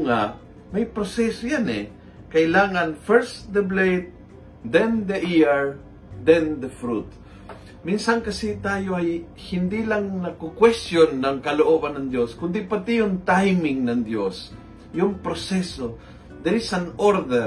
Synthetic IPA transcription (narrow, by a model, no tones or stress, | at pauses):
ŋa | mɐjpɾosɛsojanɛ | kɐʔɪlaːŋɐnfɛɹsd̪ɐblejt̪̚ | d̪ɛnd̪ɐʔiɛɹ | d̪ɛnd̪ɐfɾut̪̚ | minsɐŋkɐsit̪aːjoʔaj | hɪnd̪ilaŋnɐkokwɛst̪jonːɐŋkɐloʔoːbɐnːɐŋd̪joskʊnd̪ɪpɐt̪ijʊŋt̪ajmɪŋnɐŋd̪jos | jʊŋpɾosɛso | d̪ɛɾisaŋʔoɾd̪ɛ